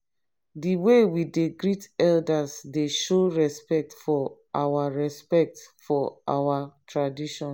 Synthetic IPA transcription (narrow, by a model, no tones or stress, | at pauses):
diwewideɡɹitɛldasdeʃoɹɛspɛk̚tfɔʔawaɹɛspɛk̚tfɔa̰watʰɹadiʃɔ̃n